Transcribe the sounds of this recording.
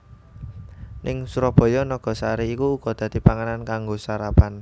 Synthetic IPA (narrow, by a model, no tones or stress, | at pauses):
nɪŋsuɾɔb̥ɔ̤jɔnɔɡ̥ɔ̤saɾiːkuːɡ̥ɔ̤d̪̥a̤d̪̥i̤paŋanankaŋɡosaɾapan